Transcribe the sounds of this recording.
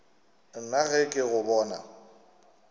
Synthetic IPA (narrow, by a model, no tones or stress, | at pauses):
naɣɛkʼɪɣʊbɔːna̰